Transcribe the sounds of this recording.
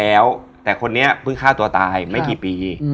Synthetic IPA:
ɛː˦˥wt̪ɛː˨˩kʰo˧nːi˦˥ɐpʰɯ˥˩ŋkʰaː˥˩t̪u˧ɐt̪aː˧jma˥˩jkiː˨˩piː˨˧

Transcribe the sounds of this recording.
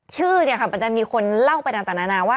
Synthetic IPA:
t͡ɕʰɯː˥˩ni˥˩ɐkʰa˥˩ma˧nt͡ɕa˧˩miː˧kʰo˧nla˥˩wpa˧jna˧t̪aː˨˩naː˧naː˧waː˥˩

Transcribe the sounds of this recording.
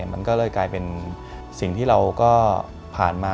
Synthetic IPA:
ma˧nkɔː˥˩lɤː˧jklaː˧jpe˧n | si˨˩ŋt̪ʰiː˥˩ɾa˧wkɔː˥˩ | pʰaː˨˩nmaː˧

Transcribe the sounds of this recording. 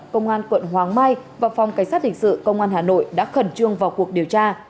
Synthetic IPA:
kə˧wŋ͡mʔaː˧nkwə̰˧˨nɦwaː˨˩ŋmaː˧jvaː˨˩fɔ˨˩wŋ͡mka˧˩ŋ̟saː˦˥t̚hï˨˩ŋ̟sɨ̰˧˨kə˧wŋ͡mʔaː˧nɦaː˨˩no̰˧˨jɗa̰ː˧˥xə˨˧˩nt͡ɕɨ˧əŋvaː˨˩wku˨˩ək̚ɗi˨˩əwt͡ɕaː˧

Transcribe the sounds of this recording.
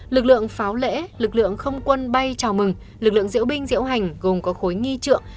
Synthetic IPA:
lɨ˨˩k̚lɨ̰˧˨əŋfaː˨˦wlḛ˧˥lɨ˨˩k̚lɨ̰˧˨əŋxə˧wŋ͡mkwə˧nɓa˧jt͡ɕaː˨˩wmɨ˨˩ŋ | lɨ˨˩k̚lɨ̰˧˨əŋzḭ˧˥əwɓï˧ŋ̟zḭ˧˥əwɦa˨˩jŋ̟ɣo˨˩mkɔ˨˦xo˨˦jŋi˧t͡ɕɨ̰˧˨əŋ

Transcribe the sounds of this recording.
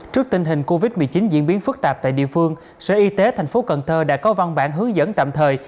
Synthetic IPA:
t͡ɕɨ˦˥ək̚t̪ï˧ŋ̟ɦï˨˩ŋ̟ko˧vi˦˥t̚mɨ˨˩əjt͡ɕi˨˦nzḭ˧˥ənɓi˨˦ənfɨ˦˥k̚t̪aː˨˩p̚t̪a̰ː˧˨ɗḭ˧˨əfɨ˧əŋ | sɛ̰ː˧˥ʔi˧t̪e˨˦t̪ʰa˨˩jŋ̟fo˨˦kə̰˧˩nt̪ʰəː˧ɗa̰ː˧˥kɔ˨˦va˧wŋ͡mɓa̰ː˧˩nɦɨ˨˦əŋzə̰˧˥nt̪a̰ː˧˨mt̪ʰəː˨˩j

